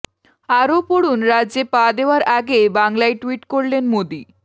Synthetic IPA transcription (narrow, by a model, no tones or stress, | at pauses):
aɾopoɽunɾaːd͡ʑepad̪eoaɾʔaɡebaŋlaeʈuiʈkoɾlenmod̪i